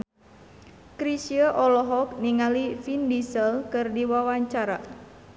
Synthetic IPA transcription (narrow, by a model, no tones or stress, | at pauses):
kɾisiəʔɔlɔɦɔk̚niŋalifindisəlkɨrdiwawaɲt͡ʃaɾa̰